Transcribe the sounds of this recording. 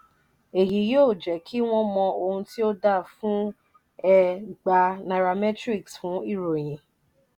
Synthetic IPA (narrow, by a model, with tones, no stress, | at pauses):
e˨ji˨˦jo˦˨d͡ʒɛ˨kʰi˦w̃ɔ̃˦mɔ̃˧o˧hũ˧ti˦o˦da˦˨fũ˦ | ɛ˧ɡ͡ba˧na˨ɾa˧mɛ˦tɾi˦˨ksfũ˨˦i˦˨ɾo˨j̃ĩ˨˦